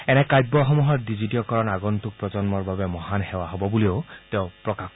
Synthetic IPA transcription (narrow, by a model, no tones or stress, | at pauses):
ɛnɛkajbːɔxɔmuɦɔɹdizitiɔkɔɹɔnaɡɔntuk̚pɹɔzɔnmɔɹbabɛmɔhanhɛwaɦɔbɔbulioʊtɛʊpɹɔkak